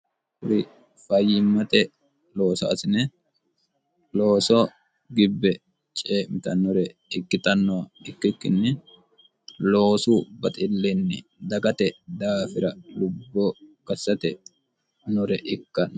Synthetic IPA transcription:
hʊɾɪ | fɐjːɪmːɐt̪ɛ | lo̞ːsɐ̰ɐ̰sɪnɛ | lo̞ːsɔ | ɡɪbːɛ | t͡ʃʼeːmɪt̪ɐnːɔɾɛɪkːɪt̪ʼɐnːɔwɐɪkːɪkːɪnːɛ | lo̞ːsubɐt̪ʼɪlːɛnːɛd̪ɐɡɐt̪ɛd̪aːfɪɾɐlʊbːokɐsːɐt̪ɛ | nʊɾɛʔɪkːɐn

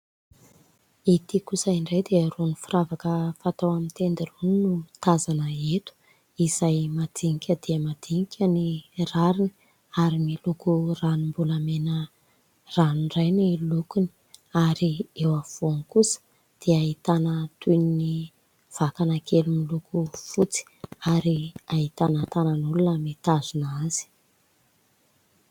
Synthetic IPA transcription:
it̪ikusəiɳɖ͡ʐejd̪eəronifuravakəfat̪awamint̪end̪iruninut̪azanəet̪u̥ | izajmad̪iŋikʲəd̪̥eəmad̪̥iŋikʲʰəniraɾini̥ | aɾimilukuranimbulamenə | ranɖ͡ʐajnilukuni̥ | aɾiewav̥onkusə̥ | d̪̥eait̪anət̪unni | v̥akanakʰelumilukufut͡si̥aɾiaɦit̪anət̪anənulunəmit̪azunaz̥i̥

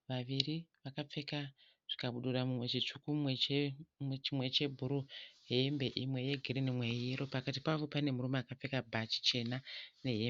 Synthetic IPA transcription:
ʋaʋiriʋakap͡fe̞ka | ʐ̥ikaɓuɗuramumwe̞t͡ʃit͡ʂukumwet͡ʃimwe̞t͡ʃe̞bʱuɾuɦeembe̞ʔimwe̞je̞ɡʱiɾinimwejiɾo̞pakatipaʋo̞pane̞murumaːkap͡fe̞kabʱat͡ʃi̥t͡ʃe̞nane̞ɦe

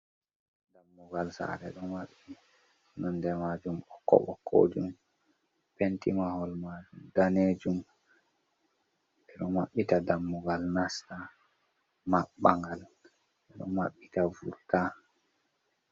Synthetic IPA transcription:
damːuɡalsa̰ɾɛɗɔnwaɓːi | nɔndɛmad͡ʒumɔkːɔ̰ɓɔkʰːo̰d͡ʒum | pentimahɔlmad͡ʒumdaneːd͡ʒum | ɛɗɔmaɓːitadamːuɡalnasta | maɓːaŋɡal | ʔɛɗɔ̰maɓːitavṵɾta

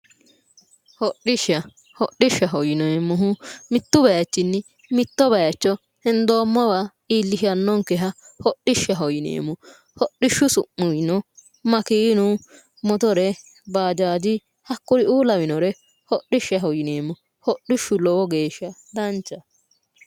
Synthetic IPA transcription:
hɔɗɪʃːɐ | hɔɗːɪʃːɐɦɔjɪneːmːʊɦʊmɪt̪ːʊbɐjɐt͡ʃːɪnːɪ | mɪt̪ːɔbɐjɐt͡ʃːɔ | hɛnd̪o̞ːmːɔwa | iːlːɪʃɐnːɔŋkɛɦɐ | hɔɗːɪʃːɐɦɔjɪnḛːmːɔ | hɔɗɪʃːʊsʊʔːʊjnɔ | mɐkiːnʊ | mɔt̪ɔɾɛ | baːd͡ʒaːd͡ʒɪ | hɐkːʊɾɪuːlɐwɪnɔɾɛ | hɔɗɪʃːɐɦɔjɪneːmːɔ | hɔɗːɪʃːʊlɔwɔɡe̞ːʃːɐd̪ɐnt͡ʃːɐ

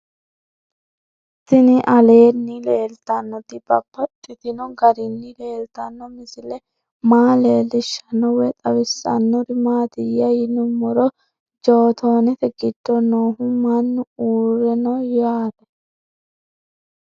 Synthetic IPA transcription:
t̪ɪnɪʔɐle̞ːnːɪleːlt̪ɐnːɔt̪ɪbɐbːɐt̪ʼːɪt̪ɪnɔɡɐɾɪnːɪle̞ːlt̪ɐnːɔmɪsɪlɛ | maːle̞ːlɪʃːɐnɔwɛt̪ʼɐwɪsːɐ̰nːʊɾɪmaːt̪ɪjɐjɪnːʊmɔɾɔ | d͡ʒoːt̪ʰoːnɛt̪ɛɡɪd̪̥ːɔnoːɦʊmɐnːʊuːɾɛnɔjaːɾɛ

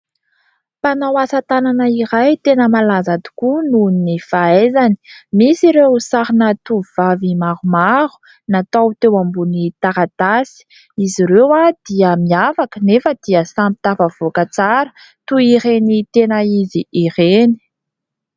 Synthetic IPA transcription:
panawasat̪ananəiɾajt̪enəmalazad̪u̥kununnifaezani̥misiɾewsaɾinat̪uvavimaɾumaɾu̥ | nat̪awt̪ewambunit̪aɾat̪asi̥ | iziɾewad̪̥iəmiafakənefəd̪̥iəsampi̥t̪afəv̥okət͡saɾə̥ | t̪uiɾenit̪enəiziiɾeni̥

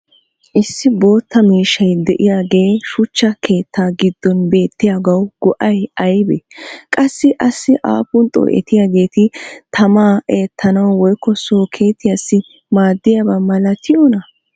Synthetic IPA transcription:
ʔɪsːɪbo̞ːt̪ːɐmiːʃɐjd̪ɛʔɪjaːɡe̞ːʃʊt͡ʃːɐkʰe̞ːt̪ʰːaːɡɪd̪ːɔnbe̞ːt̪ːɪjaɡɐwɡ̥ɔʔɐjɐjbɛkʼɐsːɪʔɐsːɪʔa̰ːpʊnt̪ʼo̰ʔɛ̰t̪ɪjaːɡe̞ːt̪ɪt̪ʰɐmaːʔeːt̪ʰːɐnɐwwɔjkːɔsoːkʰe̞ːt̪ːɪjasːɪ | maːd̪ːɪjabɐmːɐlɐt̪ʰɪjɔnɐ

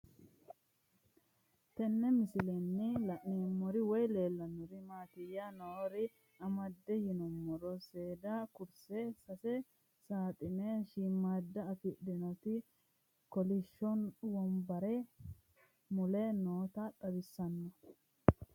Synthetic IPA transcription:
t̪ɛnːɛmɪsɪlɛnːɪlɐʔneːmːɔɾɪwɔjle̞ːlːɐnːɔɾɪmaːt̪ɪjanoːɾɪ | ɐmɐd̪ːɛjɪnɔmːɔɾɔseːd̪ɐkʊɾsɛsɐsɛ | saːt̪ʼɪnɛʃimːaːd̪ːɐːfɪɗɪnɔt̪ɪ | kɔlɪʃːɔnwɔmbɐɾɛ | mʊlɛnoːt̪ɐᶑ̪ʼɐbɪsːɐnːɔ

